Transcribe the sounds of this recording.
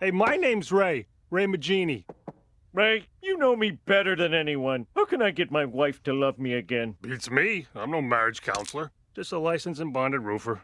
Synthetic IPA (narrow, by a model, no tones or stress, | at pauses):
heɪmaɪnẽɪ̃mzɹeɪ | ɹeɪmɨd͡ʒĩni | ɹeɪjɨnoʊmibɛɾə˞ðɨ̃nɛniwʌ̃nhaʊkʰɨ̃naɪɡɛt̚maɪwaɪftʰɨlʌvmiɨɡɛ̃nb̥itsmiãɪ̃mnoʊmæɹɨd̥ʒ̥kʰã̰ʊ̃nslˠə˞ | d̥d͡ʒ̥ʌstəlaɪsɨ̃n̩s̬ɨ̃nbɑ̃ndɨd̚ɹufə˞